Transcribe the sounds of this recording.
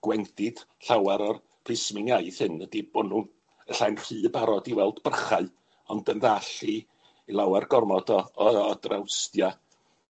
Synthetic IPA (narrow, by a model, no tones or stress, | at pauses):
ɡ̥wɛndɪd̥ɬawaɾɔr | pʰrɪsmɪnjaɨðhɨnədɪbɔnuːn | əɬajnr̥ɨːbaɾɔdivɛlˠdbərχaɨ | ɔndənðaɬiː | lˠawarɡɔrmɔdɔɔɔdrawstja